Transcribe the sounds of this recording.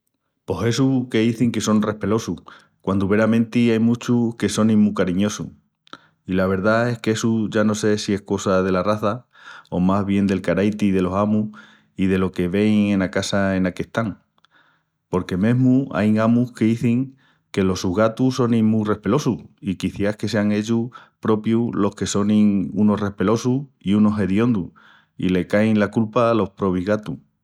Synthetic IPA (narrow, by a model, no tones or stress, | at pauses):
po̞se̞suke̞ðiθiŋke̞so̞nre̞hpe̞lo̞su | kwand̪uβe̞ɾamẽ̞nt̪iajmut͡ʃuke̞so̞nĩmukaɾiɲo̞sṵ | ilaβ̞e̞ɾðae̞hkesuʝano̞se̞sie̞hko̞sað̞e̞laraθa | o̞mazβ̞je̞nd̪e̞lkaɾajt̪iðe̞lo̞samu | ið̞e̞lo̞ke̞βe̞ŋẽ̞nakasaenake̞ht̪aŋ | po̞ɾke̞mẽ̞ɦmua̰jŋamuhkeðiθiŋ | ke̞lo̞suɦɣat̪uso̞nĩmũre̞hpe̞lo̞suikiθjahke̞seaŋe̞ʎupɾo̞pjulo̞hke̞so̞nĩŋuno̞hre̞hpe̞lo̞suiuno̞ɦe̞ðjo̞nd̪u | ḭle̞kajŋlakulpalo̞hpɾo̞βiɦɣat̪u